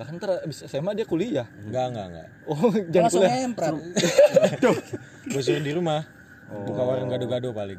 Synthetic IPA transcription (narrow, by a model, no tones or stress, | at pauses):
ɡakant̪əɾabisasamadiakuliahŋɡaŋɡa̰ŋɡa̰ʔ | od͡ʒankuliampɾa | t̪o | bos̬uɾɪndiɾumah | bukawaɾəŋɡadoɡadopalɪ̰ŋ